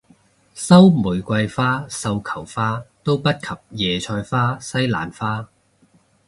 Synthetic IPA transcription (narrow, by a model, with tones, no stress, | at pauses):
sɐ˥wmuː˨˩jkʷɐ˧jfaː˥sɐ˧wkʰɐ˨˩wfaː˥t̪o˥wpɐ˥t̚kʰɐ˨p̚jɛː˨˩t͡ʃʰɔː˧jfaː˥sɐ˥jla̰ː˨˩nfaː˥